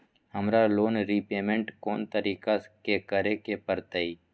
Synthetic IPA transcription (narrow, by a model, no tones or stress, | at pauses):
həmɾaloːnɾipeːmẽɳʈkoːnt̪əɾiːkakekəɾekepəɾt̪əiː